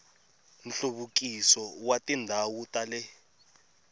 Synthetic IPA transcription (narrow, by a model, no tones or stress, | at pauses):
n̩ɬuɓuk̬isɔwatʼindʱawutʼalɛ